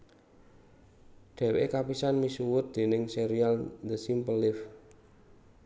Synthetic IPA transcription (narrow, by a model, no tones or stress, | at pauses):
ɖ̪̥ɛ̤weʔekapisanmisuwʊt̪̚d̪̥e̤nɪŋseɾiald̪əsimpəlɪf